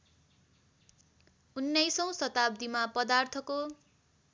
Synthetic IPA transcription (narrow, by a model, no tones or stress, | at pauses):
unːʌjsʌw̃sʌt̪ab̚d̪imapʌd̪art̪ʰʌko